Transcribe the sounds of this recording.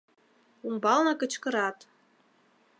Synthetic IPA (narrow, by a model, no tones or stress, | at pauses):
umbɑlnɤ̆kə̆t͡ɕkɤ̆ɾɑt̪